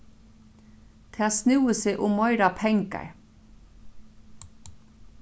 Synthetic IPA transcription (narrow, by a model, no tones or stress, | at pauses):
t̪ʰeɑːsnʉːəseːʔʊmɔʏɾɑpʰɛŋkə̰ɹ